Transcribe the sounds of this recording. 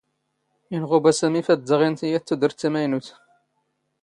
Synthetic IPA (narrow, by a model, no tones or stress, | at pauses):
inʁobæsæmifæd̪d̪əʁint̪ijæt̪ːud̪əɾt̪ːæmæjnuθ